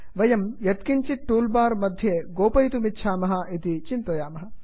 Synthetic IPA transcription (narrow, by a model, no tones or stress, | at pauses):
ʋɐjɐmjɐt̪̚kiɲt͡ʃiʈːuːlbaːɾmɐd̪ʱjeːɡoːpɐjt̪umitːʃʰaːmɐɦɐʔit̪it͡ʃint̪ɐjaːmɐɦɐ̆